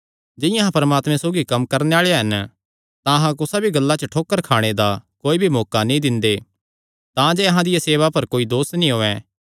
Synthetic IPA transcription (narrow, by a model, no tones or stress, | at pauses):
d͡ʒɪ̃jãɦãpɐɾəmaːt̪mɛ̃soːɡikɐmkɐɾneaːɭeɦɐn | t̪ãɐɦãkʊsabʱiɡɐlːat͡ʃəʈʰoːkːəɾkʰaːɽ̃ed̪akoːibʱimɔːkanĩd̪ɪ̃nd̪e | t̪ãd͡ʒɛːɐɦãd̪ɪjaseːʋapɐɾkoːid̪oːsnĩɦoːɛ̃